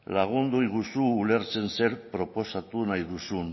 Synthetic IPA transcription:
laɣ̞ond̪ojɣusuːleɾsenseɾpɾoposat̪unajðusun

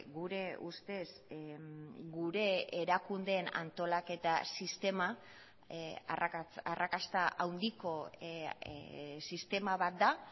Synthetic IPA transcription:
ɡuɾe̞ust̪e̞s | ɡuɾe̞eɾakund̪e̞ːna̰nt̪o̞lake̞t̪asist̪e̞ma | arakast̪aʔawnd̪iko̞ | sist̪e̞maβat̪̚d̪a

